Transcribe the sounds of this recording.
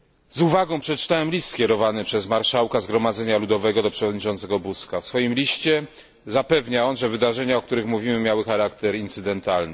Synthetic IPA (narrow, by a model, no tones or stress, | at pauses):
zuvaɡɔ̃w̃pʂɛt͡ʂɘ̥t̪awɛmlʲist̪kʲɛɾɔvanɘpʂɛzmaɾʂawkazɡɾɔmad̪zɛɲalud̪ɔvɛɡɔd̪ɔpʂɛvɔd̪ɲit͡ʂɔnt̪sɛɡɔbuskafsfɔjimlʲiɕt͡ɕɛ | zapɛvɲaɔnʐɛvɘd̪aʐɛɲaɔkt̪uɾɘxmuvʲimɘmʲjawɘxaɾakt̪ɛɾint̪sɘd̪ɛnt̪alnɘ